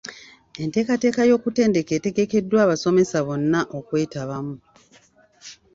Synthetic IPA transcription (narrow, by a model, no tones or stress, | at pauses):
e̞nte̞ːkate̞ːkajo̞ːkute̞ːnde̞keːte̞ɡe̞ke̞dːwaːβaso̞me̞saβo̞nːaʔokwe̞ːtaβamu